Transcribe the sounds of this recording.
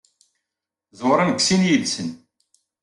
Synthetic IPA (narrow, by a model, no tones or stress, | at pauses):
zˤoɾˤanɡʷsinjilsən